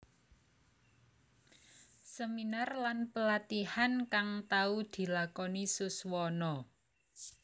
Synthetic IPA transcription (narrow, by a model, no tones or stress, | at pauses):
səminarlanpəlat̪ihankaŋt̪aud̪̥i̤lakɔnisuswɔnɔ